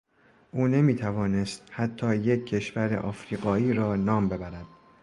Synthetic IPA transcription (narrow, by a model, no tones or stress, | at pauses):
ʔuːne̞miːt̪ʰævɒːne̞st̪̚hæt̪ʰːɒːje̞cʰːe̞ʃvæɾḛʔɒːfɾiːɡɒːiːɾɒːnɒːmbe̞bæɾæd̪̥̚